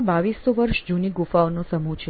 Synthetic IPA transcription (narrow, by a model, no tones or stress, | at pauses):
baʋisːoʋəɾʃd͡ʒuniɡufaʋnõsəmut͡ʃʰe